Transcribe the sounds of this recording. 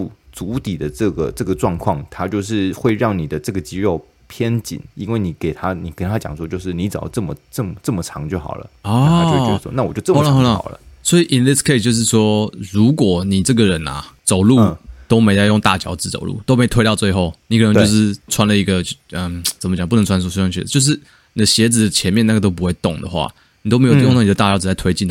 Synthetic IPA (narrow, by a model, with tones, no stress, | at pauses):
u˥˩t͡su˧˥t̪i˨˩d̪ə˦ʈ͡ʂɤ˥˩ɡə̰˩ʈ͡ʂɤ˥˩ɡə˩ʈ͡ʂwɑ˥˧ŋkʰwɑ˥˧ŋt̪ʰa˥t͡ɕjo˥˧ʊʂ̬ɻ̩˥˧xwe˥˧ɪɻɑ˥˩ŋni˨˩d̪ə˦ʈ͡ʂɤ˥˩ɡə˩t͡ɕi˧˥ɻo˥˩ʊ | pʰjɛ˦˥nt͡ɕḭ˨˩˦ni˥nwe˥˩ɪni˨˩ke˨˩ɪt̪ʰa˥ni˨˩kə˧˩nt̪ʰa˦˥t͡ɕjɑ̰˨˩ŋʂwɔ˥t͡ɕjo˥˧ʊʂɻ̩˥˩ni˧˥t͡s̩˨˩˥ʈ͡ʂɤ˥˩mə˩ʈ͡ʂɤ˥˩mə˩ʈ͡ʂə˥˩mə˩ʈ͡ʂʰɑ̰˧˥ŋt͡ɕjo˥˩ʊxɑ̰˨˩ʊlə̰˦ɔ˥o˥˩˧wɔ̰˥na˥˩wɔ˨˩t͡ɕjo˥˧ʊʈ͡ʂːa˥˧˥xɔ˧la̰˥˩˨lə̰˦swɔ˧˥i˨ʔi˨nli˥skʰe˥˧ɪst͡ɕjo˥˧ʊʂ̬ɻ̩˥˩swɔ˥ɻu˧˥kwɔ˨˩ni˨˩ʈ͡ʂɤ˥˩ɡə˨ɻə˧˦nɐ̰˨t͡so˨˩ʊlu˥˧t̪o˥ʊme˧˥ɪt͡sa˥˧ɪjʊ˥˧ŋt̪a̰˥˩t͡ɕjɑ̰˧˥ʊt͡s̩˧˥t͡so̰˨˩ʊlṵ˥˩t̪o˥ʊme˧˥ɪ˨t̪ʰwe˥ɪt̪t͡swe˥˧ɪxo˥˩ʊni˨˥k̪ʰə˧˦t͡ɕo˥˧ʊʂ̬ɻ̩˥˩t͡sʰwa˥nlə˨i˧˥ɡə˧ə˧t͡sə˨˩mət͡ɕɑ˨ŋpu˥˩nə˧˥ŋt͡sʰwa˥s̬ɔ˥˧su˥wa˥ŋt͡ɕʰɛ̰˥˩˨t͡ɕjo˥˧ʊʂ̬ɻ̩˥˩ | ni˨d̪ə˦ɕjɛ˧˥t͡sɹ̩˨˩d̪ə˩t͡ɕʰjɛ˧˦nmjɛ˥˧na˥˩ɡə˩t̪o˥ʊp̬u˧˥xwe˥˩ɪt̪ʊ˨˩ŋd̪ə̰˩xwa̰˥˩ | ni˨˩o˥ʊme˧˥jjŋna˥˩ni˨˩ə˧t̪a˥˩t͡ɕjɑ˥ʊt͡sɹ̩˨˧˩a˥˩ɪtʰwe˥ɪt͡ɕi˥˩n˧